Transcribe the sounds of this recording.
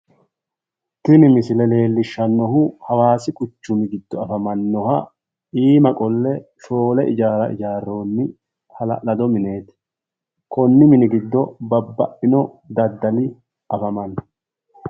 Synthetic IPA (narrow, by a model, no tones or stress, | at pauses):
t̪ɪnɪmɪsɪlɛle̞ːlːɪʃːɐnːɔɦʊhɐwaːsɪkʼʊt͡ʃːʊmɪɡɪd̪ːɔɐfɐmɐnːɔhɐ | iːmɐkʼɔlːɛʃo̞ːlɛʔɪd͡ʒaːɾɐʔɪ̰d͡ʒaːrːo̞ːnːɪ | hɐlɐ̰lɐd̪ɔmɪne̞ːt̪ | kʰɔnːɪmɪnɪɡɪd̪ːɔbɐbːɐ̰ʔɪnɔ | d̪ɐd̪ːɐlɪ | ʔɐfɐmɐnːɔ